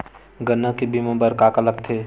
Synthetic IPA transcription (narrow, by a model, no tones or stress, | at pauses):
ɡənːə̃kebʱimə̃bəɾkaːkələk̚t̪ʰeː